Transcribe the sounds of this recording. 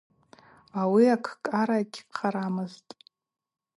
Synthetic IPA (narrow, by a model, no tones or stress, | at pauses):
awiakʰkʼaɾaɡʲqʰaɾamɨztʼ